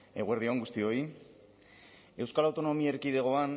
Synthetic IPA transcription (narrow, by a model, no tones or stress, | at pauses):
e̞ɣueɾðioaŋɡust̪io̞i | e̞wskalawt̪o̞no̞miaeɾkiðe̞ɣ̞o̞an